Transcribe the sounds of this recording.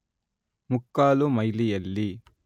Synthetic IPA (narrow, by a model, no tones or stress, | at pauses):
mukːaːlumɐjlijɐlːi